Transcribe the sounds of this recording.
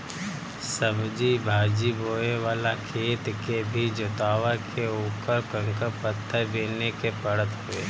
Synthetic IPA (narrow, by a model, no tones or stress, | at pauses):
səbd͡ʒibʱaːd͡ʒiboːeʋaːlakʰeːt̪kebʱid͡ʒʊt̪aːʋakʰeoːpəɾkə̃ŋkəɾpət̪ʰːəbeːnekepəɽət̪ɦʊḛː